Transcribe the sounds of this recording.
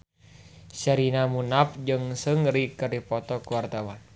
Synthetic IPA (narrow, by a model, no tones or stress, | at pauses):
saɾinamunap̚d͡ʒɨŋsɨŋɾikəripɔt̪ɔkuwart̪awan